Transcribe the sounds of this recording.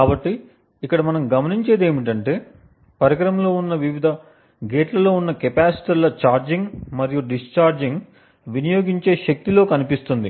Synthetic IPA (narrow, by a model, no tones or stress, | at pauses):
kaːbɐʈːiː | kːɐɽɐmɐnɐmɡɐmɐniɲt͡ʃe̞ːd̪e̞ːmiʈ̬ɐɳʈe̞ː | pɐɾɐɡɐɾɐmlo̞ːunːɐʋiʋid̪ʱɐ | ɡeːʈlɐlo̞ːunːɐkɛpaːsi̥ʈilɐt͡ʃaːɾd͡ʒiŋɡmɐɾijuɖist͡ʃaːɾd͡ʒiŋɡ | ʋinijo̞ːɡiɲt͡ʃe̞ːʃɐk̚t̪ilo̞ːkɐnipist̪und̪i